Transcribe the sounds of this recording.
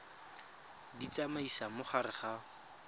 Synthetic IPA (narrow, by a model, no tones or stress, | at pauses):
dit͡samaisamʊχarɪχa